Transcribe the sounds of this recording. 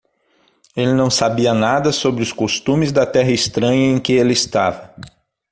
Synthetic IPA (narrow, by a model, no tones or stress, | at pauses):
elɪnɐ̃w̃sabiɐnad̪ɐsobɾɪʊskost̪ũmɪzd̪ɐt̪ɛɦɐɪst̪ɾɐ̃ɲɐẽkɪelɪɪst̪avɐ